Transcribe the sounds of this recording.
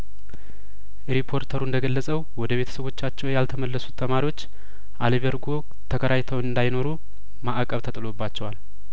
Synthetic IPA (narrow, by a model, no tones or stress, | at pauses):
ɾipʰːo̞ɾt̪ʰəɾuɨnd̪əɡəlːəsʼəwwɔd̪əβe̞t̪ʰə̥səβo̞t͡ʃːat͡ʃːɛwjalt̪ʰəməlːəsu̥t̪ʰːəmaɾiwo̞t͡ʃː | ʔaləβəɾɡo̞ | t̪ʰəkʰəɾajt̪ʰəwɨnd̪ajno̞ɾu | maʔkʼəβt̪ʰət̪ʼɨlo̞bːat͡ʃːɛwal